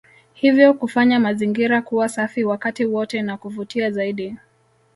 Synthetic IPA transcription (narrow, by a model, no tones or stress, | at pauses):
hivjɔkufaɲamaziŋɡiɾakuwasafiwakatiwɔtɛnakuvutiazaiɗi